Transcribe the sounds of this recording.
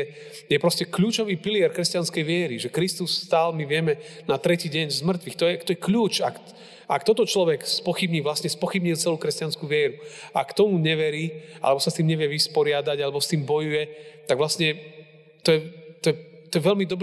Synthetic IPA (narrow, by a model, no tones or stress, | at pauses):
ɛ | jɛpɾɔscɛkʎuːt͡ʃɔʋiːpilɪɛɾkɾɛscanskɛjʋɪɛɾiʒɛkɾist̪usːt̪aːlmiʋɪɛmɛnat̪ɾɛciːɟɛɲzmr̩t̪ʋixt̪ɔjɛt̪ɔjɛkʎuːt͡ʃak | ak̚t̪ɔt̪ɔt͡ʃlɔʋɛkspɔxibɲiːʋlasɲɛspɔxibɲilˠt͡sɛluːkɾɛscanskuʋɪɛɾua̰kt̪ɔmuɲɛʋɛɾiːa̰lɛbɔsast̪iːmɲɛʋjɛʋispɔɾɪad̪aɟalɛbɔst̪iːmbɔjujɛt̪aɡʋlasɲɛ | t̪ɔjɛt̪ɔjɛt̪ɔjɛʋɛʎmid̪ɔb